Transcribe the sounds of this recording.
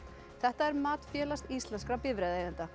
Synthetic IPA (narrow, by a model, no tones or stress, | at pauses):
θɛht̪aɛɾmaːt̪fjɛːlast̪ist̪lɛnskɾapɪvɾeːðejðɪnt̪a